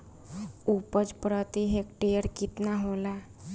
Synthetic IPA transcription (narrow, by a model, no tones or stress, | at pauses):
upəd͡ʒpɾət̪iɦekʈejəɾkit̪naɦola